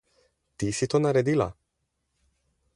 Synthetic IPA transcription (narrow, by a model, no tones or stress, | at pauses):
t̪isit̪onaɾed̪ila̰